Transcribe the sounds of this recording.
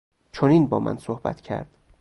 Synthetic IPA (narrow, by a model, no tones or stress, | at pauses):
t͡ʃʰoniːnbɒ̰ːmʔæ̰nsohbæ̰t̪ʰcʰæ̰ɾd̪̥